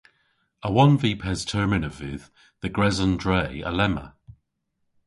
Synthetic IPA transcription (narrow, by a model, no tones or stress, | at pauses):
əwʌ̃nviːpʰɛz̥tʰɜːmɪnəvɪð̥ | ðəɡɹɛzə̃ndɹeɪə̰lɛmə̰